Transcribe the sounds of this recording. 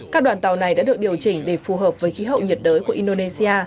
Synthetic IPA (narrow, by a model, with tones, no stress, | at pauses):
kaː˦˥k̚ɗwaː˨˩nt̪a˨˩wna˨˩jɗa̰ː˧˥ɨ˨˩ək̚ɗi˨˩əwt͡ɕï˧˩ŋ̟ɗe˧˩fu˨˩ɦəː˨˩p̚vəː˨˦jxi˨˦ɦə̰˧˨wɲi˨˩t̚ɗəː˨˦jku˧˩əʔi˧nɗo˧ne˧si˧aː˧